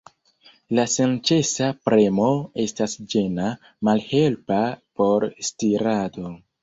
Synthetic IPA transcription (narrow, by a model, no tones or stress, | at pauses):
lasent͡ʃe̞sapɾe̞mo̞e̞stasd͡ʒe̞na | malhe̞lpapo̞ɾstiɾado̞